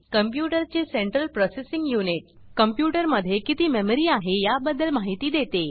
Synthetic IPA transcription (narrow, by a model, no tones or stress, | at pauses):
kəmpjuʈəɾt͡ɕeseɳʈɾəlpɾɔsesĩŋɡjuniʈ̚ | kəmpjuʈəɾməd̪ʱjekit̪iːmeməɾiːaɦejabəd̪əlmaɦit̪iːd̪et̪e